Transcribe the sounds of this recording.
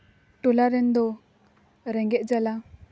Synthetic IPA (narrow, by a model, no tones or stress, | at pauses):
ʈulaɾɛnd̪ɔ | ɾɛŋɡɛʔ̚ˀd͡ʒala